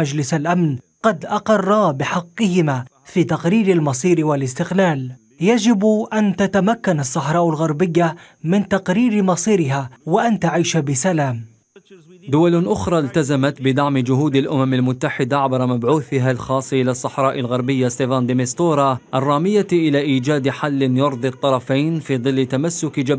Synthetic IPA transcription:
ad͡ʒlɪsalʔamn | qɑd̪ʔɑqɑrˤːɑbɪħɑqːɨhɪmaː | fiːt̪ɑqɾiːɾalmɑsˤiːɾwalɪst̪ɪqlaːl | jad͡ʒɪbʔant̪at̪amakːanɑsˤːɑħɾˤɑːʔʊlɣɑɾˤbɪjːa | mɪnt̪ɑqɾiːɾmɑsˤiːɾɪɦaːwaʔant̪aʕiːʃabɪsalaːm | d̪ʊwalʔʊxɾˤɑːlt̪azamat̪bɪd̪aʕmɪd͡ʒʊɦuːd̪alʔʊmamalmʊt̪ːaħɪd̪aʕabɾˤɑmabʕuːθɪɦalxɑːsˤːʔɪlasˤːɑħɾˤɑːʔɪlɣɑɾˤbɪjːast̪efaːnd̪ɪmɪst̪oːɾˤɑʔɑrˤːɑːmɪjaʔɪlaːʔiːd͡ʒaːd̪ħalːɪnjʊɾˤd̪ˤɨt̪ˤːɑɾˤɑfajnfiːðˤɨlːɪt̪amasːʊkd͡ʒa

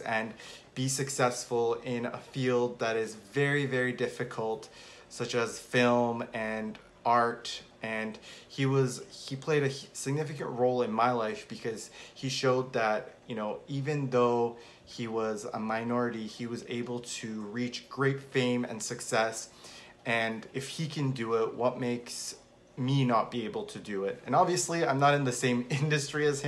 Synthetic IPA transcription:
ɨ̃nb̥isɨksɛsfl̩ˠɪ̃nə̰filˠd̪̚ðɨɾɪzvɛɹivɛɹidɪfɨkʰl̩ˠt | sʌt͡ʃɨz̥fɪlˠmɨ̃n | ɑɹt | ɨ̃niwʌzipʰl̥eɪɾɨsɨɡ̚nɪfɨkɨ̰̃nʔɹoʊlˠɨ̃nmaɪlaɪfb̥ɨkʰʌz̥iʃoʊd̪̚ðɨt̚jɨnoʊivɨ̃nðoʊ | iwʌzə̰maɪnɔɹɨɾiiwʌzḛɪbl̩ˠtʰɨɹit͡ʃɡ̥ɹeɪtfẽɪ̃mɨ̰̃nsɨksɛs | ɨ̃nɨfhikʰɨ̃ndɨɪt̚wʌt̚meɪks | minət̚b̥ieɪbl̩ˠtʰɨdɨɪtɨ̃nɑbviɨsliãɪ̃mnəɾɨ̃nðɨsẽɪ̃mɪ̃ndɨstɹ̥iɨz̥̃

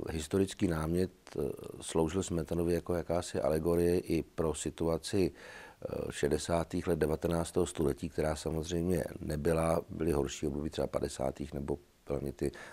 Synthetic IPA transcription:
ɦɪst̪o̞ɾɪt͡skiːnaːmɲɛt̪slowʒɪlsmɛt̪anovɪjakojakaːsɪʔa̰lɛɡo̞ɾɪjɛʔɪpɾo̞sɪt̪uat͡sɪ | ʃɛdɛsaːt̪iːxlɛd̪̚dɛvat̪ɛnaːt͡st̪ɛɦost̪olɛciːk̚t̪ɛɾaːsamo̞zr̝ɛjmɲɛ̰nɛbɪlabɪlɪɦo̞ɾʃiːobdobit̪r̥ɛbapa̰dɛsa̰ːt̪iːxnɛbo̞ | b̥ɪla̰mɲɛt̪ɪ

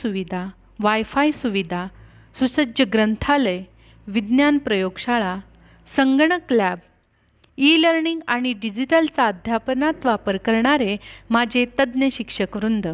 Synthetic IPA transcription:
uʋid̪ʱa | ʋajfajsuʋid̪ʱa | susəd͡ʑəɡɾənt̪ʰale | ʋid̪njanpɾəjoɡɕaɭa | səŋɡɳəklæb̚ | iləɾɳiŋɡaɽ̃iɖid͡ʑiʈəlt͡saəd̪ʱjapnat̪ʋapəɾkəɾɳaɾemad͡ʑʱet̪əd̪njəɕikʂəkʋɾund̪ʱə

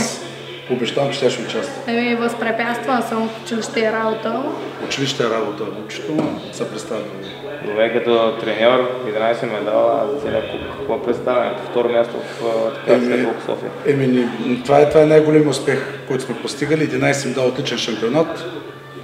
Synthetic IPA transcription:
s | obɛʒt̪avɐmt͡ʃɛ̥t̪ʲjaʃʊt͡ʃast̪ɛminivəspɾɛpʲjat̪st̪vɐnsəmot͡ʃɪviʃt̪əɛɾabot̪əʊt͡ʃɛviʃt̪əɛɾabot̪əot͡ʃi̥t̪omsɐpɾɛt̪st̪avi | d̪ovɛkɐt̪ɔt̪ɾɛnʲɔɾjɛd̪inajsɛmɛd̪a̰lˠt̪sɛlʲakukɐkoɐpɾɛt̪st̪avʲɛnɛt̪oft̪ɔɾomʲjast̪o̰ft̪ɐ̥kaɛsmiɛoksɔ̰fḭə̰ɛminit̪ovaɛt̪vaɛnajɡolʲɛmʲiʊspɛxkɔjt̪ʊsmɛpost̪iɡəliːd̪inajsɛmɛd̪alˠot̪lit͡ʃɛnʃɐmpʲionat̪

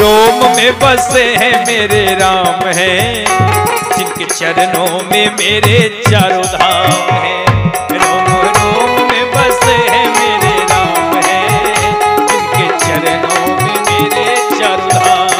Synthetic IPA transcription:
ɾoːmmẽbɐseɦɛ̃meːɾeɾaːmɦɛ̃ | d͡ʒɪbket͡ʃɐɾənõmẽmeːɾet͡ʃaːɾod̪ʱaːmɦɛ̃ɾoːmɾoːmmẽbɐseɦɛ̃meːɾeɾaːmɦɛ̃ | d͡ʒɪpket͡ʃɐɾənõ | mẽmeːɾe | t͡ʃaːɾoːd̪ʱaːm

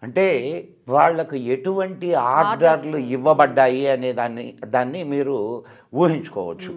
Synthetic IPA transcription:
ɐɳʈe̞ː | ʋaːɭːɐkue̞ʈuʋɐɳʈiaːɾɖaːɾluiʋːɐbɐɖːaːjiɐneːd̪aːnːḭd̪aːnːimiːɾu | ʋuːɦiɲt͡ʃu̥kɔːʋɐt͡ʃːu

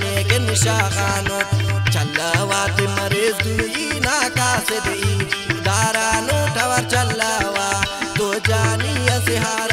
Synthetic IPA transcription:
neːkenɪʃaːxaːnot͡ʃʰɐlːɐwaːt̪emɐɾeːzd̪uːjinaːkaːsed̪eiːd̪aːɾaːnoʈʰɐʋɐɾt͡ʃʰɐlːɐːwaːt̪od͡ʒaːnijɐsɪɦaːɾ

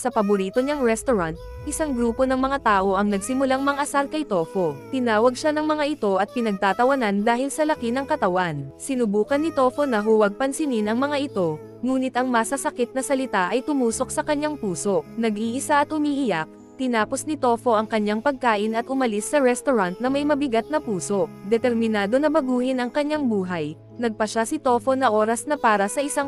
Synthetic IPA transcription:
sɐpɐbʊɾiːt̪o̞ɲɐŋɹɛst̪oɾant̪̚ | ʔɪsaŋɡɾuːpo̞nɐŋmɐŋat̪aːʔo̞ʔɐŋnɐɡsɪmʊlaŋmɐŋʔɐsalkɐjt̪o̞ːfo̞t̪ɪnaːwɐɡ̚ʃanɐŋmɐŋaʔɪt̪o̞ʔɐt̪̚pɪnɐɡ̚t̪aːt̪ɐwɐnand̪aːhɪlsɐlɐkinɐŋkɐt̪ɐwansɪnʊbuːkɐnːɪt̪o̞ːfo̞nɐɦuːwɐɡ̚pɐnsɪninɐŋmɐŋaʔɪt̪o̞ | ŋuːnɪt̪ʔɐŋmasɐsɐkɪt̪̚nɐsɐlɪt̪aʔɐjt̪ʊmuːso̞k̚sɐkɐɲːaŋpuːso̞ʔnɐɡʔiːʔɪsaʔɐt̪hʊmiːʔɪjak̚ | t̪ɪnaːposnɪt̪o̞ːfo̞ʔɐŋkɐɲːaŋpɐɡ̚kaːʔɪnɐt̪ʊmɐlisːɐɾɛst̪oɾant̪̚nɐmɐjmɐbɪɡat̪̚nɐpuːso̞ʔd̪ɛt̪ɛɾmɪnaːd̪o̞nɐbɐɡuːhɪnɐŋkɐɲːaŋbuːɦɐj | nɐɡ̚pɐʃasɪt̪o̞ːfo̞nɐʔo̞ːɾɐsnɐpaːɾɐsɐʔɪsaŋ

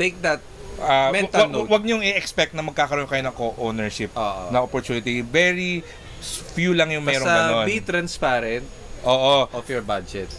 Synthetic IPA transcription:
t̪ejk̚d̪ɐt̪̚amɛwɐnwɐɡ̚ɲoŋɪʔɛkspɛk̚t̪nɐmɐɡ̚kaːkɐɾoonkɐjonɐŋkoʔownɛɹʃɪp̚oːʔonɐʔopɔɹt̪uːnɪt̪ivɛɹi | fjuːlɐŋjʊŋmɛɾõŋɡɐnonbit̪ɾɐnspaːɾɛnt̪̚ | ʔoːʔoʔɔfjɔɹbadd͡ʒɛt̪

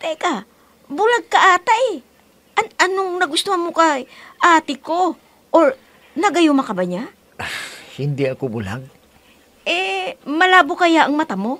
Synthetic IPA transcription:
t̪ɛka | bʊlaɡ̚kɐʔaːt̪aʔ | ʔɐnɐnoŋnɐɡʊst̪ohɐnmokɐjʔaːt̪ɪko | ʔoɹ | nɐɡɐjomɐkɐbɐɲa | hɪnd̪iɐkobʊla̰ɡ̚ | ʔɛmɐlaːbokɐjaʔɐŋmɐt̪amo̞

